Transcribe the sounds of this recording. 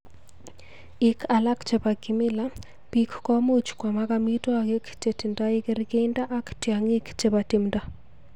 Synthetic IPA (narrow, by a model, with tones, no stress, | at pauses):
ikʰa˨la˦kt͡ʃe˨pa˨ɡi˨mɪ˦la˦ | pikːɔ˦mu˦t͡ʃkwa˨ma˦ka˦mito˦aɡe˦kt͡ʃe˨ti˨ndai˦keɾike˦inda˦ʔa˦ktjaŋi˦kt͡ʃe˦pa˨ti˨mda˦